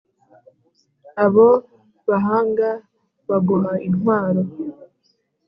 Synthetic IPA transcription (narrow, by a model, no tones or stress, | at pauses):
aβo | βaɦaːŋɡa | βaɡoɦainhwaːɾo̞